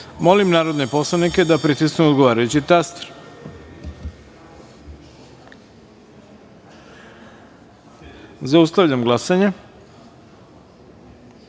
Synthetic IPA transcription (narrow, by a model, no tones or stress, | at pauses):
mo̞limnaːɾo̞d̪nepo̞slˠanike̞d̪apɾit̪isknuod̪ɡoʋaːɾajut͡ɕit̪ast̪ɾ | zaust̪aʋʎamɡlˠasaɲe